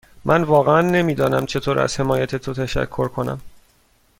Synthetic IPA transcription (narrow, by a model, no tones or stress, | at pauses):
mʔænvɒːɣeænːe̞miːd̪ɒːnæmt͡ʃʰe̞t̪ʰoːɾæ̰z̥he̞mɒːjæt̪ʰet̪ʰot̪ʰæʃæ̰kʰːo̞ɾkʰo̞næ̰m